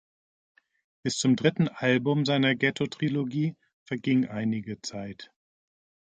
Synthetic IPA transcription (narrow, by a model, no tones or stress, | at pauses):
b̥ɪst͡sʊmdʁɪtn̩ʔalbʊmzaɪnɐɡɛtʰotʁ̥iloɡiː | fɛɐɡɪŋʔaɪnɪɡət͡saɪt